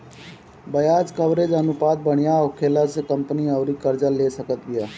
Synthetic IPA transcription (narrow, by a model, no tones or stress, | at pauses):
bəjaːd͡ʒkəʋɾed͡ʒənʊpaːd̪̚bəɽ̃ɪjãokʰeːlasekəmpniɔːɾiːkəɾd͡ʒaleːsəkət̪̚ɡɪjaː